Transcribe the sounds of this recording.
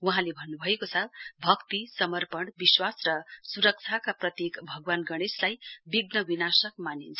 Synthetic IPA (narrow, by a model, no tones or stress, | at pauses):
wuɦãlebʱʌnːubʱʌekot͡sʰʌbʱʌkt̪isʌmʌrpʌɳbiswasrʌsuɾʌk̚t͡sʰakaprʌt̪jekbʱʌɡwanɡʌɽ̃eslajbiɡnʌbinasʌk̚manint͡sʰʌ